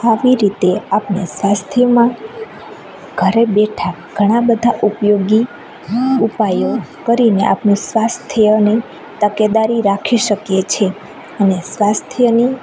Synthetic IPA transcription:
aʋiɾit̪eapnḛsʋast̪ʰjəmã | ɡʱəɾebeʈʰa | ɡʱəɽ̃ãbəd̪ʱaʔupjoɡi | upajokəɾineʔa̰pnũsʋast̪ʰjəni | t̪əked̪aɾiɾakʰiʃəkjet͡ʃʰe | ənesʋast̪ʰjəni

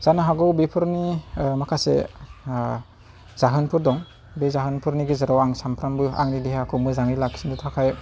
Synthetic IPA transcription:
z̥anɯɦaɡɯwbepʰɯɾnimakʰasḛ | z̥aɦɯnpʰɯɾdɔŋ | bezaɦɯnpʰɯɾniɡizɯɾawaŋsampʰɾambɯa̰ŋnidiɦakʰɯmɯzaŋilaksindutʰakʰaj

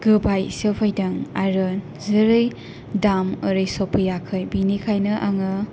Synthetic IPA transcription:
ɡ̥ɯbajsepʰajdaŋaɾɯn | zɯɾɯj | damɯɾɯjsopʰɯjakʰɯjbinikʰajnɯʔaŋɯ

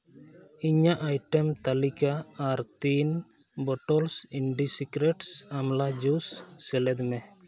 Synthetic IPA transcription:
iɲaʔajʈɛmt̪alikaːɾt̪in | bɔʈɔlsiɳɖisikɾɛʈsamlad͡ʒusːɛlɛd̪mɛ

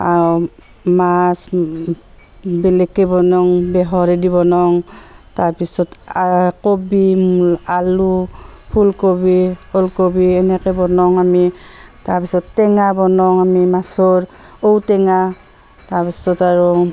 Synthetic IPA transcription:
aɔ | mas | bɛlɛkːɛbɔnɔŋbɛɦɔɹɛdiβɔnɔŋtaɹpisɔtakobialupʰulkobiɔlkobiɛnɛkɛbɔnɔŋamitaɹpisɔtːɛŋabɔnɔŋamimasɔɹ | owtɛŋa | taɹpisɔtaɹɔ

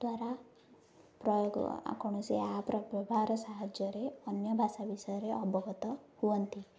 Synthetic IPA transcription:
d̪waɾa | pɾɔjoɡ̰a̰kɔɳ̃ɔseapɾɔbɔbʱaɾɔsaɦad͡ʒjɔɾeɔnjɔbʱasabisɔɾeʔɔbʱɔɡʱɔt̪ɔhuɔnt̪i

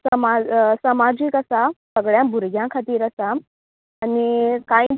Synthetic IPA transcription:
səmasəmad͡ʑiːkəsasəɡɭjãbʱuɾɡʱjãkʰat̪iːɾəsaː | nikai

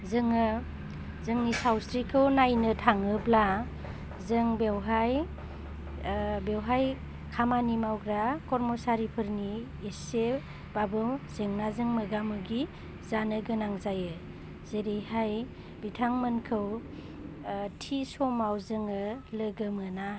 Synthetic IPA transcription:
zɯŋɯ | zɯŋnisawsɾikʰɯwnajnɯtʰaŋɯbla | zɯŋbewɦaj | bewɦaj | kʰamanimawɡɾakɔɾmosaɾipʰɯɾniː | se | b̥abɯwz̥ɯŋnazɯŋmɯɡamɯɡi | zanɯɡɯnaŋzajɯ | zeɾejhaj | bitʰaŋmənkʰɯw | tʰisɔmawzɯŋɯləɡɯmɯna

